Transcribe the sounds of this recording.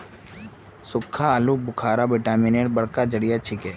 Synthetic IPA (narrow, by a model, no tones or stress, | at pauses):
sʊkʰːalubʊkʰaːɾabɪʈaːmɪneːʈbɐɽkad͡ʒəɽɪjat͡ʃʰɪkɛː